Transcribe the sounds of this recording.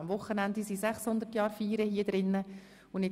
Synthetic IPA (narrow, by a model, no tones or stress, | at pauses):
ɑmʋʊχːənænd̪isisæχshʊnd̪ərtjɑːɾfiːɾəhiːəd̪ɾɪnːə | ʊnɪ